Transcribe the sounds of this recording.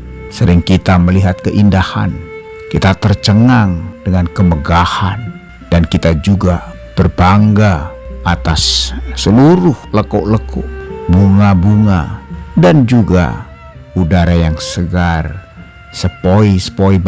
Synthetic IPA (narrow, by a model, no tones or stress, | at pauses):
səɾɪŋkit̪aməliɦat̪̚kəʔindaha̰n | kit̪at̪ərt͡ʃəŋaŋdəŋankəməɡahan | dankit̪ad͡ʒuɡa | b̥ərbaŋɡaat̪asːəluɾʊhləkuʔləkʊʔbuŋabuŋa̰dand͡ʒuɡa̰ | udaɾajaŋsəɡar | səpoisə̥poi